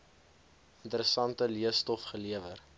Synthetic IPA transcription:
əntəɾəsɐntəliəstɔfχəliəvər

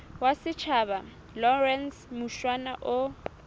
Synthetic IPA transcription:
wasɪt͡ʃʰaba | lɔrɛnsmuʃwanaʔʊ

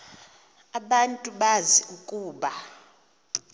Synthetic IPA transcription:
aɓantʼuɓaziukʼuːɓa

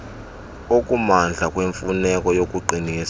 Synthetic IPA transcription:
okʼumand͡ɮʱakʼweɱfunɛkʼɔjokʼuǃʱiniːsḁ

